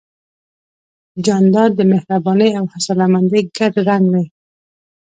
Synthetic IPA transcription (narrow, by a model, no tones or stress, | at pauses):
d͡ʒɑnd̪ɑɾd̪əmɪhɾabɑnəjawhasɑlamand̪eɡad̪ɾaŋɡwe